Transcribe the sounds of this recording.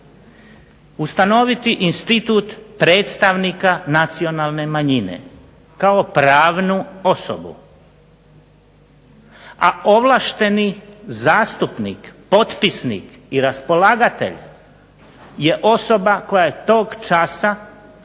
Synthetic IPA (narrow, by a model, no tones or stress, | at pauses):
ust̪ano̞ʋit̪iʔinst̪it̪uːt̪pɾeːt̪st̪aʋnikanat̪sio̞nalˠne̞maɲinḛ | kao̞pɾaːʋnuo̞so̰bṵ | aoʋlˠaʃt̪e̞nizaːst̪upnḭkpo̞t̪pisnḭk | iɾaspo̞laːɡat̪e̞̰ʎ | je̞ʔo̞so̞bako̞jajet̪o̞ːɡt͡ʃasa